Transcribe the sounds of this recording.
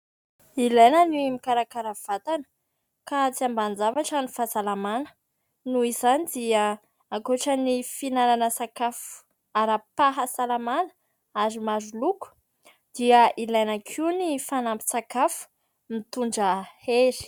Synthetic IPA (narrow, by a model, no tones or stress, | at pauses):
ilajnənimikaɾakaɾav̥at̪anə̥ | kat͡siamband͡zavaʈ͡ʂanifazalamanə̥ | nuizanid̪iə | akoʈ͡ʂənifinalanəsakafu̥ | aɾapaɦasalamanə̥ | azimazuluku̥ | d̪̥iəilajnakʰinifanambi̥sakafu̥ | mit̪uɳɖ͡ʐəheɾi̥